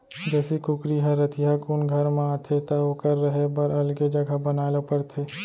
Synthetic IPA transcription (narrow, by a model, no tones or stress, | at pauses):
d͡ʒɛːsikʊkɾiɦɛ̃ɾɐt̪ʰɪjɦakuːnɡʱɐɾmẽaːt̪ʰet̪aokɐɾːɐɦebəɾɐlɡed͡ʒɐɡʱabɐnaːlopɐɾt̪ʰeː